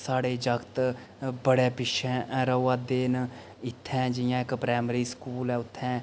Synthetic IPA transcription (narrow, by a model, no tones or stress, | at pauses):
saːɽeːd͡ʒəkt̪ | bəɽeːpɪʃʰɛ̃ːɾəaːd̪eːn | ɪt̪ʰːɛ̃ːd͡ʒɪjãːɪkpɾɛːməɾiːskuːlɛ̃ːʊt̪ʰːɛ̃ː